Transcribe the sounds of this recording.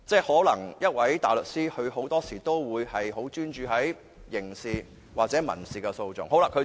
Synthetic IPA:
t͡sɛː˥hɔː˨˥lɐ˨˩ŋjɐ˥t̚wɐ˨˥jt̪a̰ː˨˩lɵ˨k̚siː˥hɵ˧ɥho˨˥wt̪ɔː˥siː˨˩t̪o˥wwuː˨˧jhɐ˨jɦo˨˥wt͡ʃyː˥nt͡ʃyː˧ɦɐ˨˥j | jɪ˨˩ŋsiː˨˩ | waː˨k̚t͡sɛː˨˥mɐ̰˨˩nsiː˨kɛ˧so˧wt͡sʊ̰˨ŋho˨˥wlaː˧kʰɵ˨˧

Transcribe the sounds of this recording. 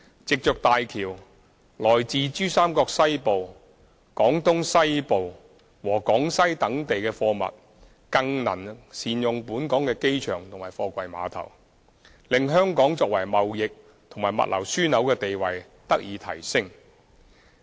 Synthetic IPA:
t͡sɪ˨k̚t͡ʃœː˨k̚t̪aː˨jkʰiː˨˩w | lɔː˨˩jt͡siː˨t͡ʃyː˥saː˥mkɔː˧k̚sɐ˥jpo˨w | kɔː˨˥ŋt̪ʊ˥ŋsɐ˥jpo˨w | wɔː˨˩kɔː˨˥ŋsɐ˥jt̪ɐ˨˥ŋt̪e˨jkɛː˧fɔː˧mɐ̰˨t̚ | kɐ˧ŋnɐ˨˩nsiː˨njʊ˨ŋpuː˨˥nkɔː˨˥ŋkɛː˧ke˥jt͡ʃʰœː˨˩ŋt̪ʰʊ˨˩ŋmaː˨˩jfɔː˧kʷɐ˧jma̰ː˨˧t̪ʰɐ̰˨˩w | lɪ˨˧ŋɦœː˥ŋkɔː˨˥ŋt͡sɔː˧k̚wɐ˨˩jmɐ˨wjɪ˨k̚ | t̪ʰŋmaː˨˩mɐ̰˨t̚lʔɐ̰˨˩wsyː˥nɐ˨˥wkɛː˧t̪e˨jwɐ˨j | t̪ɐ˥k̚jiː˨˧t̪ʰɐ̰˨˩jsɪ˥ŋ

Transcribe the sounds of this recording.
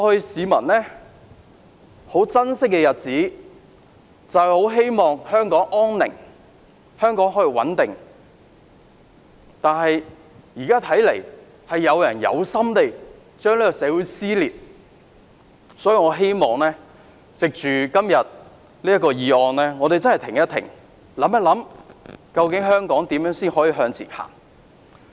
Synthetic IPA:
ɔː˨˧hɵ˧ɥsiː˨˧mɐ̰˨˩nlɛː˥ | ho˨˥wt͡sɐ˥nsɪ˥k̚ːɛ˧jɐ˨t̚t͡siː˨˥ | t͡sɐ˨ho˨˥wɦe˥jmɔː˨ŋhœː˥ŋkɔː˨˥ŋʔɔː˥nnɪ̰˨˩ŋ | hœː˥ŋkɔː˨˥ŋɦɔː˨˥ji˨wɐ̰˨˥nt̪ɪ˨ŋ | t̪aː˨nɦɐ˨j | jiː˨˩kaː˥t̪ʰɐ˨˥jle˨˩j | hɐ˨jːɐ˨˧wjɐ˨˩njɐ̰˨˧wsɐ˥mt̪e˨j | t͡ʃœː˥ŋliː˥kɔ˧sɛː˨˥wuː˨˥jsiː˥liː˨p̚ | sɔ˨˥jiː˨˧ŋɔː˨˧ɦe˥jmɔː˨ŋlɛː˥ | t͡sɪ˨k̚t͡ʃyː˨kɐ˥mjɐ˨t̚ | liː˥jɐ˥t̚kɔː˧jiː˨˧ɔː˨˧nlɛː˥ŋɔː˨˧ɾe˨jt͡sɐ˥nhɐ˨jt̪ʰɪ˨˩ŋjɐ˥t̪ʰɪ̰˨˩ŋ | lɐ˨˥mɐ˨lɐ˨˥mkɐ˧wkɪ˨˥ŋɦœː˥ŋkɔː˨˥ŋt̪iː˨˥mjœː˨˥ŋsiː˥nɦɔː˨˥jiː˧ɦœː˧ŋt͡sʰḭː˨˩nha̰ː˨˩ŋ

